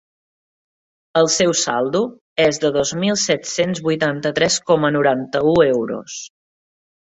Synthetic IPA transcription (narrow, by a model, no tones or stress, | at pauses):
əlˠsɛwsa̰lˠd̪u | ezðəðozmilˠsɛt̪senzβujt̪ant̪ət̪ɾɛskɔmənuɾant̪əuewɾṵs